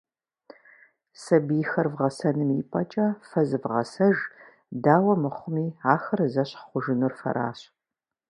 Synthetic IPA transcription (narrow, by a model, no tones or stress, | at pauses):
sɐbijxɐrvʁɐsɐnɨmiːpʼɐt͡ʃʼɐfɐzɨvʁɐ̰sɐʒ | daːwɐmɨχʷʊmiːaːxɐrzɐɕχʷʊʒɪnurfɐ̰ɾa̰ːɕ